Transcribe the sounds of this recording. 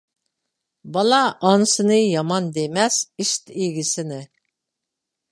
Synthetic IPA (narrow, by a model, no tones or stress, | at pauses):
bɑlˠɑːnsɨnɨjɑmɑnd̪emɛsiʃt̪ʰiɡʲisɪnɪ